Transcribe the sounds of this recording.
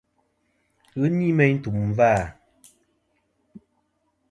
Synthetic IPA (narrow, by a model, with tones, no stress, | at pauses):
ɣɨ˦ni˦mɛ˦ɲn̩˦tu˨m˨vaː˦˨